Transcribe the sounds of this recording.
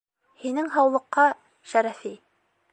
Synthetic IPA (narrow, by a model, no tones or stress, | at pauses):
hinɘŋɦɑwlˠɤ̆qːɑ | ʃæɾæfi